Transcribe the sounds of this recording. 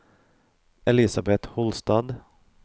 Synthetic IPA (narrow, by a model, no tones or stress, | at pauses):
ʔɛlɪsabɛt̪hɔlst̪ɑːd̪